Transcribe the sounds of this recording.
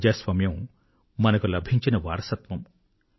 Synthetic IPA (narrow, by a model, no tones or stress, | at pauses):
d͡ʒaːsʋɐmjɐ̃w̃ | mɐnɐkulɐbʱiɲt͡ʃinɐʋaːɾɐsɐt̪ʋɐm